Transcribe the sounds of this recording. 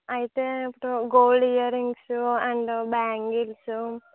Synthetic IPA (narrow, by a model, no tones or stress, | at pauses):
ɐjit̪eipːuʈuɡoːlɖijɐɾiŋɡsuɐɳɖbaːŋɡilsu